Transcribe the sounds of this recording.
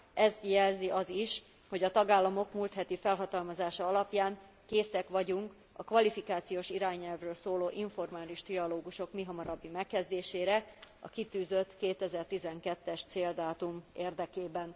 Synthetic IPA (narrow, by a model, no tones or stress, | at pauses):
ʔɛzt̪jɛlziʔɒziʃ | ho̞ɟɒt̪ɒɡaːlːɒmo̞kmuːlt̪hɛt̪ifɛlɦɒt̪ɒlmɒzaːʃɒɒlɒpjaːŋ | keːsɛkʋɒɟuŋk | ɒkʋɒlifikaːt̪sijoːʃiɾaːɲːɛlvrøːlsoːloːʔiɱfo̞rmaːliʃt̪riɒloːɡuʃo̞kmiɦɒmɒɾɒbːimɛkːɛzd̪eːʃeːɾɛɒ̰kit̪yːzø̞t̪keːt̪ɛzɛrt̪izɛŋkɛt̪ːɛʃt̪seːld̪aːt̪umeːrd̪ɛkeːbɛn